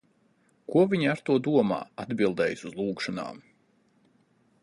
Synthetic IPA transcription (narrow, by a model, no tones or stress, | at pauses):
kuɔvʲiɲaɾt̪uɔd̪uɔma̰ːad̪bilˠd̪ɛːjsuzlˠuːkʃɔna̰ːm